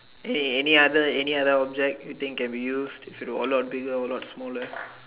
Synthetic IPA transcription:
ɛniɛniad̪əɛniad̪əɔb̚d͡ʒɛk̚tjut̪ɪ̃ŋkːɛ̃nbijuːsdifitwɔəlɔʈ̚biɡəɔlɔtsmɔlə

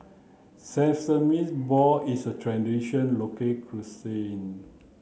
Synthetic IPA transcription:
sɛ̃fsəmisbɔisətʰɹɛ̃ndiʃə̃nlokəkʰɹusẽn

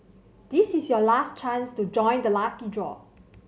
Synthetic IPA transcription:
d̥isisjɔlast͡ʃãnstud͡ʒɔ̃j̃ndəlafkidɹɔ̰

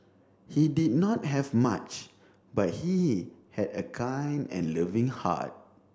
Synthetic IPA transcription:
hidid̚nɔt̚ɦɛvma̰t͡ʃ | bat̚hihɛdəkʰãj̃nɛ̰̃nlivĩŋha̰t̚

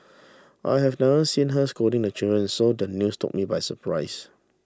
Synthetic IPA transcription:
ʔa̰jɦɛvnɛvəsĩnɦəskodĩŋdət͡ʃidɹə̃nsodənjustʰʊ̰k̚mibajsəpʰɹaɪs

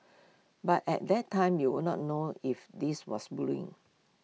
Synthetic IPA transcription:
batɛ̰t̚dɛtʰːãɪ̃mjuwunɔ̰t̚noifdiswɔ̰sbluɪ̰̃ŋ

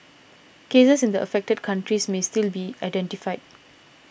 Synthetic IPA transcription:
kesəsɪ̃ndəʔə̰fɛk̚təd̚kʰãntɹismestilbiaɪdɛ̃ntifaɪd̚

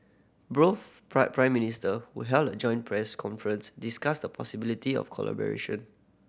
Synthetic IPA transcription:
bɹofppɹãɪ̃mːinistəhṵɦɛltəd͡ʒɔ̃ɪ̃npʰɹɛskʰɔ̃nfəɹə̃nsdiskasdəpʰɔsibilitiɔ̰fkʰɔ̰la̰bə̰ɹḛʃɔ̃n

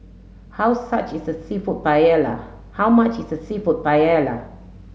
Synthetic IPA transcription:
hawsat͡ʃisəsifɔt̚bajɛla̰ | hawmat͡ʃɪsəsifɔt̚baɛla

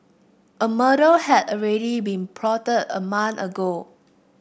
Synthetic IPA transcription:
ʔəməɾəhɛdɔɹɛɾibĩnpʰɹɔtətə̰mãnəɡo

